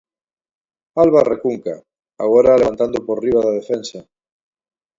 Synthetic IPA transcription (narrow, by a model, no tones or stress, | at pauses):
alβarekuŋka | aɣoɾaːleβant̪and̪opoɾriβaðaðefensa